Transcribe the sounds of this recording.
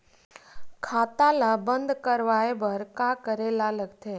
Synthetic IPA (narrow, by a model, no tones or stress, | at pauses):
kʰat̪alabənd̪kəɾʋaebəɾkakəɾelaləɡt̪ʰe